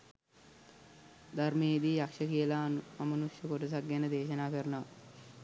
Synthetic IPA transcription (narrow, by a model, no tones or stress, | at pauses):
d̪aɾmeːid̪iːjakʂəkijəlaamɐnuʃjəkoʈɐs̬aɡːanəd̪eːʃənaːpeɾnəʋa